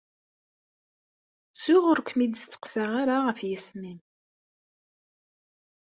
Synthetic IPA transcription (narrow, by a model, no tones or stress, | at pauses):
t͡sːʊʁʊɾkʷmid̪əst̪ə̥qsaʁaɾaʁəfjəsmim